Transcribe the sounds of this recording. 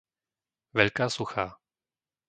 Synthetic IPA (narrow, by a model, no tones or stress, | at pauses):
vɛʎkaːsuxaː